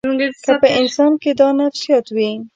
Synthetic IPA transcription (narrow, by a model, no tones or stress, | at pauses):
kəpəɪnsɑnked̪ɑnafsijɑt̪wi